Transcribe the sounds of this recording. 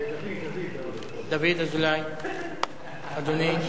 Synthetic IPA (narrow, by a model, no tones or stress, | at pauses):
d̪ɐbed̪ɐzulaj | ɐdune